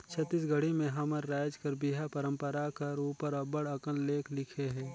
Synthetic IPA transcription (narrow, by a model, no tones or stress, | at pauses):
t͡ʃʰɐt̪ːiːs̬ɡʱəɽimẽɦɐməɾːaːd͡ʒkɐɾbiːɦapɐɾə̃mpəɾakɐɾuːpəɾəbəɽɐkənleːkʰlɪkʰeɦɛ̃ː